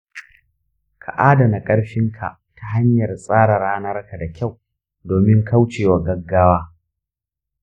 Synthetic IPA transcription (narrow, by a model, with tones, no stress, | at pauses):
kʰa̰˨ʔaː˦da˨na˨kʼɐ˦ɽɸɪ˦ŋkʰa̰˨ | tʰa˦ɦa˦ɲjɐ˨rsʼaː˦ɽɐ˨ɽaː˦nɐ˦rka˨da˨kʲa˦˨w | doː˨mɪ˦ŋkʰa˦wt͡ʃeː˨wa˨ɡɐ˦ɡːaː˦waː˦